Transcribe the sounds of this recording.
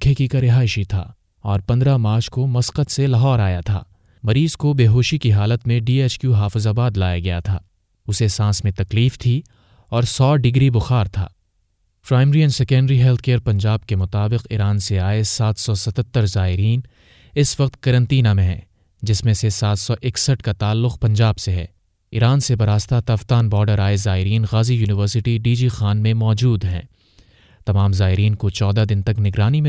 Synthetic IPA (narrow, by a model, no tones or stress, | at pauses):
kʰːekikaɾɪɦaːɪʃit̪ʰa̰ː | ɔːɾpɐ̃nd̪ɾamaːɾt͡ʃʰkomɐsqət̪selɐɦɔːɾaːjat̪ʰa̰ː | mɐɾiːzkobeːɦoːʃikiɦaːlət̪mẽɖiːeːt͡ʃkjuɦaːfɪzabaːd̪laːjaɡɐja̰t̪ʰa̰ː | ʊsesãːsmẽt̪ɐkliːft̪ʰi | ɔːɾsɔːɖɪɡɾibʊxaːɾt̪ʰa̰ː | pɾaːɪmɾijənsɛkɛ̃ɳɖəɾiɦɛlt̪ʰkejəɾpɐ̃ɲd͡ʒaːb̚kemʊt̪aːbɪqɪɾaːnseaːesaːt̪ʰsɔsɐt̪ʰət̪ːəɾzaːɪɾiːn | ɪsʋɐq̚t̪̚kɐɾə̃nt̪iːnamẽɦɛ̰̃ː | d͡ʒɪsmẽsesaːt̪ʰsɔʔɪksəʈkat̪aːlːʊqpɐ̃ɲd͡ʒaːbseɦɛ̰ː | ɪɾaːnsebɐɾaːst̪at̪ɐft̪aːnbɔːɾɖəɾaːezaːɪɾiːnɣaːzijuːnɪʋəɾsɪʈiɖiːd͡ʒixaːnmẽmɔːd͡ʒuːd̪ɦɛ̰̃ː | t̪ɐmaːmzaːɪɾiːnkot͡ʃɔːd̪ad̪ɪnt̪ɐknɪɡɾaːnimẽ